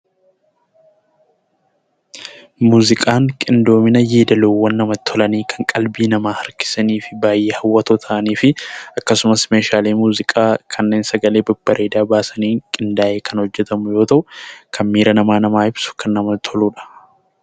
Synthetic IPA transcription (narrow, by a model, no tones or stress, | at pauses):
muːzɪkʼaːŋkʼɪnd̪o̞ːmɪnɐjeːd̪ɐloːwːɐnːɐmɐt̪ʰːɔlɐniːkʰɐŋkʼɐlbiːnɐmaːhɐɾkɪ̥sɐniːfɪbaːjːeːhɐwːɐt̪ɔt̪ʰɐʔɐniːfɪɐkːɐsʊmɐsmeːʃaːleːmuːzɪkʼaːkʰɐnːeːnsɐɡɐle̞ːbʊb̥ːɐɾʔeːd̪aːbaːsɐniːŋkʼɪnd̪aːʔeːkʰɐnhɔd͡ʒːɛt̪ɐmʊjo̞ːt̪ɐʔʊkʰɐnmiːɾɐnɐmaːnɐmaːɪbsʊ̥kɐnːɐmɐt̪ʰɔluːᶑɐ̥